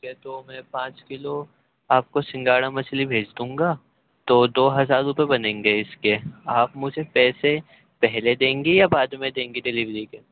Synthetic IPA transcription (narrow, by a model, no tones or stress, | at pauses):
ket̪omɛ̃pãːt͡ʃkɪlo | aːp̚kosɪ̃ŋɡaːɽamɐslibʱeːd͡ʒd̪ũːŋɡaː | t̪oːd̪oːɦɐzaːɾːʊpebɐnẽːŋɡeɪskeaːpmʊd͡ʒʱepɛːse | pɛɦled̪ẽːŋɡejabaːd̪mẽd̪ẽːŋɡiɖɛliʋɾikeː